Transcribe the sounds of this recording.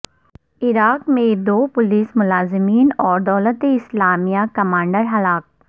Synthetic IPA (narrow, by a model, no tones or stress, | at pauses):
ɪɾaːkmẽd̪oːpʊliːsmʊlaːzɪmiːnɔːɾd̪ɔːlət̪eɪslaːmijakɐmãːɳɖəɾɦɐlaːk̚